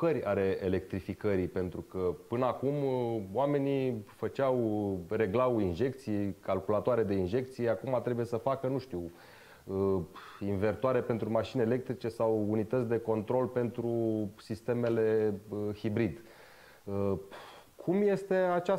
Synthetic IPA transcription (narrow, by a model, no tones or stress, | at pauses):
kəɾʲa̰ɾe̞ele̞k̚t̪ɾifikəɾipe̞nt̪ɾukəpɨnəakumoame̞nifət͡ʃawre̞ɡlauinʒe̞k̚t̪sijekalkulat̪oaɾe̞d̪e̞inʒe̞k̚t̪sijeakumat̪ɾe̞buje̞səfakənuʃt̪iw | ə | inve̞rt̪oaɾe̞pent̪ɾumaʃineele̞k̚t̪ɾit͡ʃe̞sawunit̪ət̪sʲd̪e̞ko̞nt̪ɾo̞lpe̞nt̪ɾusist̪e̞me̞le̞hibɾid̪ | ə | kʰumje̞st̪e̞at͡ʃa